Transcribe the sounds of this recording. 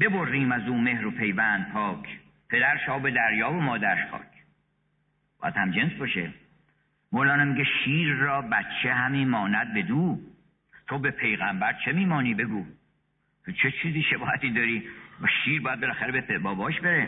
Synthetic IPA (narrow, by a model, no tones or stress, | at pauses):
be̞boɾːiːmæzuːme̞hɾopʰe̞jvænd̪̥̚pʰɒːkʰ | pʰe̞d̪æɾʃɒːwbe̞d̪æɾjɒːvomɒːd̪æɾʃxɒ̰ːkʰ | b̥ɒ̰ːjæ̰d̪hæmd͡ʒensbɒʃḛ | molɒːnæmːiɟeʃiːɾːɒːbætt͡ʃʰːehæmiːmɒːnæd̪̚be̞d̪uː | t̪ʰobe̞pʰe̞jɣæmbæɾt͡ʃʰe̞miːmɒːniːbe̞ɡuː | t̪ʰot͡ʃʰet͡ʃʰiːziːʃebɒːhæt̪iːd̪ɒːɾiːbʃiːɾbɒːjæd̪be̞læːxæɾebebɒːbɒːʃbeɾe